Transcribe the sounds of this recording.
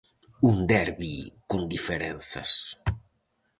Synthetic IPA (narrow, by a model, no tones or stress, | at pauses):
und̪ɛɾβikund̪ifeɾɛnθɐ̰s